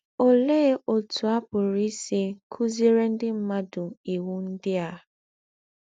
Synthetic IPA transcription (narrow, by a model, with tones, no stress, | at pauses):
o˨le˦o˨tu˨a˦pʊ˨ɾi˦si˦kʰu˦ze˦ɾe˦n̩˦dɪ˦m̩˦ma˦dʊ˨i˨wu˦n̩˦dɪ˦a˨